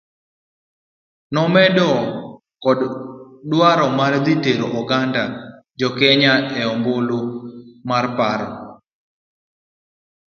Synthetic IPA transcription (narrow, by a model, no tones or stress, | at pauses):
nɔmɛdɔ | kɔddwaɾɔmard̪iteɾoʔɔɡanda | d͡ʒɔkɛɲaɛɔmbolomarpaɾɔ̰